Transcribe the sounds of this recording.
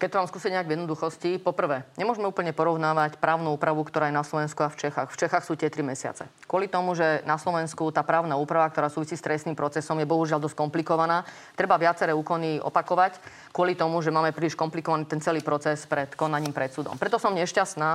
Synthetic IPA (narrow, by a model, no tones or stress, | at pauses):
kɛct̪ɔʋaːmskuːsicɲɛaɟʋjɛd̪nɔd̪uxɔscipɔpr̩ʋɛːɲɛmʊɔʒɛmɛuːpl̩ɲɛpɔɾɔʊnaːʋacpɾaːʊnuuːpɾaʋukt̪ɔɾaːjɛnaslɔʋɛnskuaft͡ʃɛxaxft͡ʃɛxaxsuːt̪ɪɛt̪ɾimɛsɪa̰t͡sɛ̰ | kʊɔlit̪ɔmuʒɛnaslɔʋɛnskut̪aːpɾaːʊnauːpɾaʋakt̪ɔɾaːsuːʋisiːst̪ɾʔɛstnimpɾɔt͡sɛsɔmjɛbɔɦuʒɪald̪ɔskɔmplikɔʋanaː | t̪ɾɛbaʋɪat͡sɛɾɛːuːkɔniʔɔ̰pakɔʋac | kʊɔlit̪ɔmuʒɛmaːmɛpɾiliʃkɔmplikɔʋaniːt̪ɛnt͡sɛliːpɾɔt͡sɛspɾɛt̪kɔnaɲiːmpɾɛt̪suːd̪ɔ̰mpɾɛt̪ɔsɔmɲɛʃcast̪naː